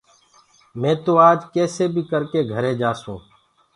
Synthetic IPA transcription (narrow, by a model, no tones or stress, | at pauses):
mẽːt̪oːaːd͡ʒkɛːseːbʱiːkəɾkeːɡʱəɾẽːd͡ʒaːsõː